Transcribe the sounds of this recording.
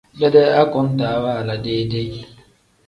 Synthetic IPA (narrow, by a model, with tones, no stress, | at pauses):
be˦de˦a˦kʊ˨n̩˦ta˨˦wa˦a˨la˨deː˦de˦˨